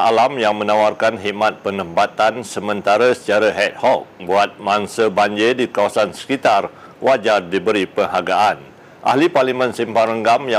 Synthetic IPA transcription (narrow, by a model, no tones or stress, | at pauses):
alamjaŋmə̃nãwarkanɦiʔmãt̪̚pənə̃mpat̪ansəmə̃nt̪aɾəsə̥t͡ʃaɾaɦɛt̪̚hɔk̚buat̪̚maŋsəbaɲd͡ʒedikawasansə̥kit̪ar | wad͡ʒardibəɾipəŋɦaɡaʔan | ʔa̰hɦliparlimə̃nsimpaɾəŋɡamja